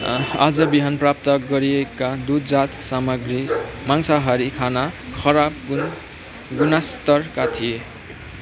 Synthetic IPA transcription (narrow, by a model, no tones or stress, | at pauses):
a̰d͡zʌbiɦʌnprap̚t̪ʌɡʌɾiekad̪ud̪d͡zat̪samaɡrimaŋsaɦʌɾikʰanakʰʌɾab̚ | ɡunast̪ʌrkat̪ʰije